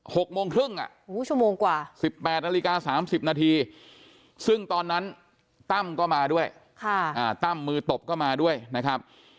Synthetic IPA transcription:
ho˨˩k̚moː˧ŋkʰɾɯ˥˩ŋʔa̰˨˩ʔʔuː˨˦˥t͡ɕʰu˥˩əmoː˧ŋkwaː˨˩si˨˩pːɛː˨˩t̪̚na˧li˦˧kaː˧saː˩˦msi˨˩p̚naː˧t̪ʰiː˧ | sɯ˥˩ŋt̪ɔː˧nːa˦˥n | t̪a˥˩mkɔː˥˩maː˧du˥˩əj | kʰa˥˩ʔaː˨˩t̪a˥˩mːɯː˧t̪o˨˩p̚kɔː˥˩maː˧du˥˩əjna˦˥kʰa˦˥p̚

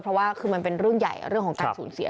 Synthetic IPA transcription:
pʰɾɔ˦˥waː˥˩kʰɯː˧ma˧npe˧nɾu˥˩əŋja̰˨˩jɾɯ˥˩əŋkʰɔː˩˦ŋkːnsuː˩˦nsḭ˨˩˦

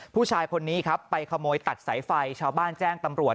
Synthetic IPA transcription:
pʰuː˥˩t͡ɕʰaː˧jkʰo˧nːiː˦˥kʰa˦˥ppːa˧jkʰa˧moː˧jt̪a˨˩t̪̚sa˩˦jfa˧jt͡ɕʰaː˧wbaː˥˩nt͡ɕɛː˥˩ŋt̪a˧mɾu˨˩ət̪̚

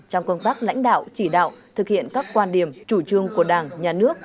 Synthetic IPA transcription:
t͡ɕɔ˧wŋ͡mkə˧wŋ͡mt̪aː˦˥k̚la̰˧˥jŋ̟ɗa̰ː˧˨wt͡ɕi˧˩ɗa̰ː˧˨wt̪ʰɨ˨˩k̚hḭ˧˨ənkaː˦˥kːwaː˧nɗi˧˩əmt͡ɕu˧˩t͡ɕɨ˧əŋku˧˩əɗaː˨˩ŋɲaː˨˩nɨ˦˥ək̚

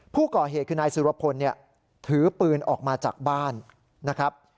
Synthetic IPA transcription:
pʰuː˥˩kɔː˨˩ɦeː˨t̪̚kʰɯː˧naː˧jsu˨˦wa˧pʰo˧nːi˥˩ɐ | t̪ʰɯː˩˦pɯː˧nʔɔː˨˩k̚maː˧t͡ɕa̰ː˨˩k̚baː˥˩nː | a˦˥kʰɾa˦˥p̚

